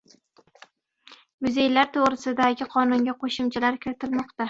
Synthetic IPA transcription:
mʊze̞jlaɾt̪ʰoʁɾɪsɪd̪aɡʲɪqʰɒnʊŋɡʲaqʰoʃʊmt͡ʃʰalaɾkʲʰɪɾɪt̪ʰɪlmɒqt̪a

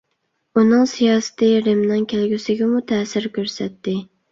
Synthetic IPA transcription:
unɨŋsijɑːsɪ̥t̪ʰɪɾɪmnɨŋkʲʰælɡʲysɪɡʲɛmut̪ʰɛːsɪɾkʲʰøɾsɛt̪ːɪ

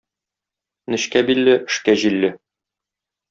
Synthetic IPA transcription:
nɘ̆ɕkæbilːɘʔɘ̆ʃkæʑilːɘ

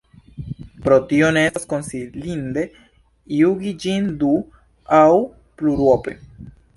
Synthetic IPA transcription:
pɾot̪ioneaskonsilind̪e | iuɡid͡ʒind̪u | aw | pluɾwopḛ

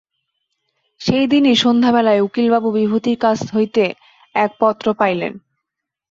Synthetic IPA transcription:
ʃejd̪iniʃond̪ʱaβɛlaeukilbabubibʱut̪iɾkasɦojt̪e | ɛk̚pɔt̪ːɾopajlḛn

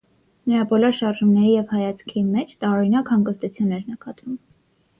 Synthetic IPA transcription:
nəɾɑbɔlɔɾʃɑɾʒumnɛɾijɛvhɑjɑt͡sʰkʰimɛt͡ʃʰt̪ɑɔɾinɑkhɑŋɡəst̪ut͡sʰjunːɛɾnəkɑt̪vum

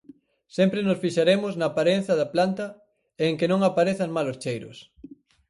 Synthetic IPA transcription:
sempɾenʊsfiʃaɾemʊznɐːpaɾen̟θɐðɐplant̪ɐ | eːŋkɪnõŋapaɾeθɐŋmalʊst͡ʃejɾʊ̰s

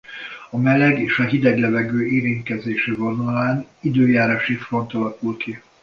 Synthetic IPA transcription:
ɒmɛlɛɡeːʃɒɦid̪ɛɡlɛvɛɡøːeːɾint̪̚kɛzeːʃivonɒlaːnid̪øːjaːɾaːʃifro̞nt̪ɒlɒkulki

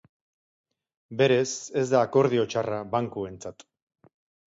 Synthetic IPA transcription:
be̞ɾe̞se̞zd̪aːko̞ɾð̞io̞t͡ʃaraβaŋkue̞nt͡sat̪

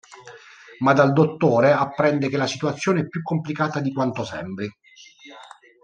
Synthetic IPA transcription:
mad̪ald̪ot̪ːoːɾeapːɾɛnd̪ekelasit̪uat̪sːjoːneɛpːjukːomplikaːt̪ad̪ikwant̪osɛ̰mbɾi

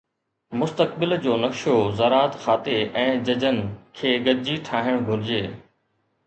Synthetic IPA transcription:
mʊst̪ək̚bɪld͡ʑoːnɐkʃozɐɾaːt̪xaːt̪eʔɛ̃ːd͡ʑɐd͡ʑənɪ̆kʰeːɡɐd͡ʑiʈʰaːɦɪɽ̃ɡʱʊɾɪd͡ʑeː

